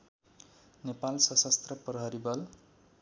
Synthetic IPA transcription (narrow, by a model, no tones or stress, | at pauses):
nepalsʌsʌst̪rʌprʌɦʌɾibʌl